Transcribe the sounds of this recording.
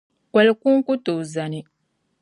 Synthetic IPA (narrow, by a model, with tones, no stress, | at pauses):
kwe˨le˦ku˦ŋ˦ku˦tu˨za˨ni˨